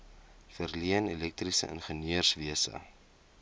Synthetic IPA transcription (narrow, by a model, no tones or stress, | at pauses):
fərliənelɛk̚trisə̰ʔə̰nχəniərsviəsə̰